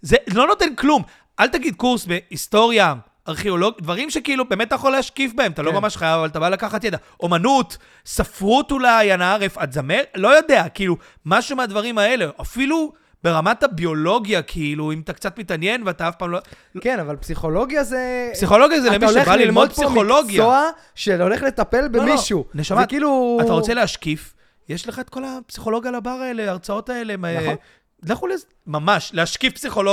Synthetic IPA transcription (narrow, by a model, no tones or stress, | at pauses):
zelo̞no̞tenklum | ʔaltaɡid̪kuʁsbe̞ist̪o̞ʁja | aʁχeoloɡdvaʁimʃekiilube̞mtːajaχolehaʃkifbahemat̪alo̞mamaʃχajavavalt̪̬abalakaχatjeda | ʔomanut̪ | safʁutulajanaaʁefatzamelo̞jod̪e̞akiilu | maʃumead̪vaʁimae̞leʔafilu | be̞ʁamatabio̞lo̞ɡjakʰiiluimat̪akt͡satmitanje̞nveataafpaːmlo | lkenavalpsiχolo̞ɡjazepsiχo̞lo̞ɡjazelemiʃebalilmod̚psiχolo̞ɡjaoa | ʃeoleχlet̪apelbemiʃuneʃamakiːluatt̪aʁot͡se̞lehaʃkif | jeʃleχaet̪ko̞lapsiχo̞lo̞ɡjalabaʁaeleaʁt͡sao̞tae̞leme | leχulez | mamaʃlehaʃkifpsiχo̞lo